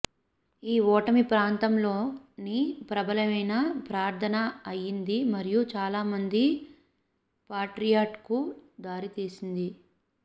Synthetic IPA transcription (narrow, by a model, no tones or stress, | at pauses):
iːɔːʈɐmipɾaːnt̪ɐmlo̞ːnipɾɐbɐlɐmɐjnɐpɾaːɾt̪ʰɐnɐɐjːind̪imɐɾijut͡ʃaːlaːmɐnd̪i | paːʈɾijaːʈkud̪aːɾit̪iːsind̪i